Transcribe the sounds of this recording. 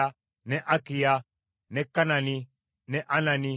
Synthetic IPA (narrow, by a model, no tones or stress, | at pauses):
a | nɛʔɐkɪja | nɛkːɐnɐni | nɛʔɐnɐni